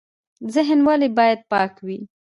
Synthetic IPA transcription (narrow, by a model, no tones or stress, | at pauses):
zɪɦnwalibɑjad̪̚pɑkwi